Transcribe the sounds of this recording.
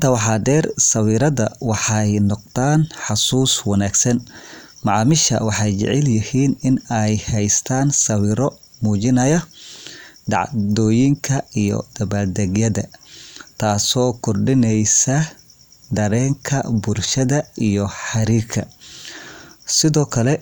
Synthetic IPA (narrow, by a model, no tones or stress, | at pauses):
ɪnt̪ʰɐwɑħɑːd̪ɛːrsɐwiːɾɐðɐ̰wɑħɑjnɔq̚t̪aːnħʊsuːswɑnaːɡsɐn | mɑʕɑːmɪʃɐ̰wɑħɑjt͡ʃɪ̰ʕɪljɪhiːnɪnɛjhɛjst̪ʰaːnsɐwiːɾɔ | muːt͡ʃɪnɐjɐ | ɖɑ̰ʕd̪ɔːjɪŋkʰɐijɔ̰d̪̥ɐβaːd̪ɐɡjɐðɐt̪ʰaːsɔːkʰɔrɖɪnɛjsɐ | d̪ɐɾɛːŋkʰɐbʊrʃɐðɐijɔħɑɾiːkʰɐ̰ | sɪðɔːkʰɐlɛ